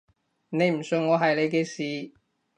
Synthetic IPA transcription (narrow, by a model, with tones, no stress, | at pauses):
ne˨˧jm̩˨˩sɵ˨˧ŋːɔː˨˧ɦɐ˨jle˨˧jke˧siː˨˧